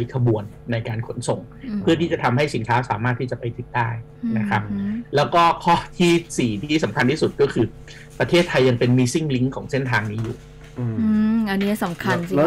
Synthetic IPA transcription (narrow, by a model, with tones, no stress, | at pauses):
jkʰa˧bu˧ənːa˧jkaː˧nkʰo˦˥nso˨˩˦m | pʰɯ˥˩t̪ʰiː˥˩t͡ɕa˨˩t̪ʰa˧mɦa˥˩jsi˨˩˦nkʰaː˦˥wsaː˨˩˦maː˥˩t̪ʰːiː˥˩t͡ɕa˨˩pa˧jt̪ʰi˦˩daː˥˩j | na˦˥kʰa˦˥p̚lɛː˦˥wkɔː˥˩kʰɔː˥˩t̪ʰiː˥˩siː˨˩t̪ʰiː˥˩sa˩˦mkʰa˧nt̪ʰiː˥˩su˨˩t̪̚kɔː˥˩kʰɯː˧ | pɾa˧t̪ʰeː˥˩t̪ʰːa˧jːa˧ŋpe˧nmiː˧si˥˩ŋli˦˥ŋkʰɔː˩˦ŋse˥˩nt̪ʰaː˧ŋniː˦˥jṵː˨˩ | ɯː˧ʔa˧nːi˦˥sa˨˩˦mkʰa˧ni˧